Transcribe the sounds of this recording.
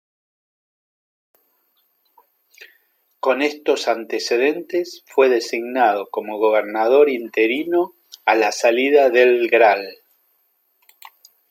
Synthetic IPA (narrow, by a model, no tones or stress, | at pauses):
ko̞nest̪o̞sant̪eseðent̪esfweðe̞siɣnað̞o̞ko̞mo̞ɣ̞oβ̞eɾnaðo̞ɾint̪e̞ɾino | alasaliðaðelɡɾal